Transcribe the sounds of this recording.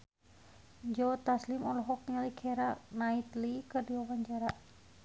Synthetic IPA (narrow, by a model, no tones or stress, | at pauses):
d͡ʒɔt̪aslimɔlɔɦɔk̚niŋalikʰɛɾanait̪likɨrdiɔwaɲd͡ʒaɾa